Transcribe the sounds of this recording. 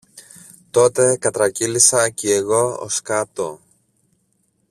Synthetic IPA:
t̪o̞t̪e̞kɐt̪ɾɐcilisɐcieɣo̞o̰skɐt̪o

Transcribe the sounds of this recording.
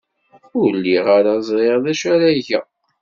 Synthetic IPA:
ulːiʁaɾazˤʁeʁðæʃæɾæʝæ̰

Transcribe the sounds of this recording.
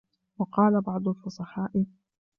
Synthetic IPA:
wɑqɑːlabɑʕd̪ˤʊlfʊsˤɑħɑːʔɪ

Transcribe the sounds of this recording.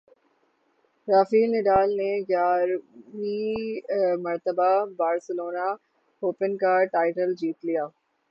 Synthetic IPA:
ɾaːfiːnɪɖaːlneɡjaːɾʋi | mɐɾt̪əbabaːɾsɪloːna | oːpənkaʈaːɪʈəld͡ʑiːt̪lijaː

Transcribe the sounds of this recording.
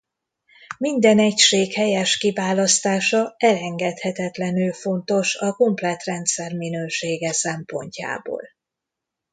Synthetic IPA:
mind̪ɛnɛcʃeːkhɛjɛʃkivaːlɒst̪aːʃɒɛlɛŋɡɛt̪hɛt̪ɛt̪lɛnylfo̞nt̪o̞ʃɒko̞mplɛt̪rɛnt̪sɛrminøːʃeːɡɛsɛmpo̞̰ɲca̰ːbo̰ːl

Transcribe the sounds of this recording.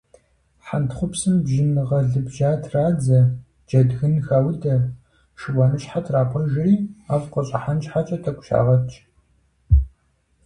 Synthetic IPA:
ħantχʷʊpsɨmbʒɪnɨʁɐɮɨbʒaːtʰraːd͡zɐ | d͡ʒɐdɣɨnxaːwdɐ | ʂɨwɐnɨɕʼħatʰraːpʷʰɐʒɪriːaːfqɐɕʼɐħant͡ʃʼħat͡ʃʼɐtʰɐkʷʼʊʃa̰ːʁɐt͡ʃʼ

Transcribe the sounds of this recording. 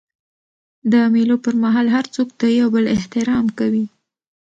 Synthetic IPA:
d̪əmelopəɾmaɦɑlɦaɾt͡sok̚d̪əjawbəlɪht̪ɪɾɑmkawi

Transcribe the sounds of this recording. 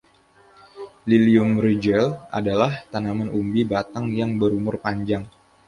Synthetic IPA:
liliʊmred͡ʒɛla̰dalaht̪anamanʔumbibat̪aŋjaŋbəɾumʊrpaɲd͡ʒaŋ

